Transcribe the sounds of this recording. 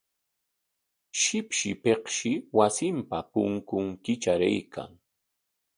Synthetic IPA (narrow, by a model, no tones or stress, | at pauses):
ʃɪpʃɪpehʃɪwasɪmpapʊŋkʊŋkɪt͡ʃaɾa̰jkʰa̰ŋ